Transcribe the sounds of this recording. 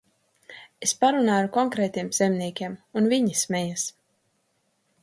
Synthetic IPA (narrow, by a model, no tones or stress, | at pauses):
espaɾunaːaɾukɔŋkɾɛːt̪iɛmz̥emniɛkʲiɛmunviɲismɛjas